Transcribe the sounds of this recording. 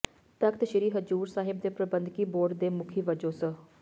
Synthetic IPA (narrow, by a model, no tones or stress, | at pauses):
t̪əkt̪ʃəɾiːɦəd͡ʒuːɾsaːɦɪb̚d̪eːpɾəbənd̪kiːboːɾd̪eːmʊkʰiːʋəd͡ʒoːsə